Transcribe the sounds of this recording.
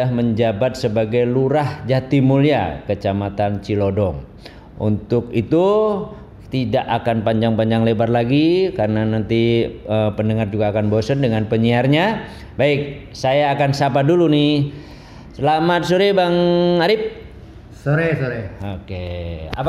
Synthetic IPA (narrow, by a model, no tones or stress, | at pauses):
aməɲd͡ʒabat̪̚səbaɡajluɾahd͡ʒat̪imulia̰kət͡ʃamat̪ant͡ʃilodɔŋ | ṵnt̪ʊk̚it̪u | t̪idaʔakanpaɲd͡ʒaŋpaɲd͡ʒaŋlebarlaɡikarənanant̪iəpənəŋard͡ʒuɡaːkanbosəndəŋanpəɲiarɲa | baɪk̚ | sajaːkansap̬adulunɪ | səlamat̪̚suɾibaŋaɾɪp̚ | soɾesoɾeokea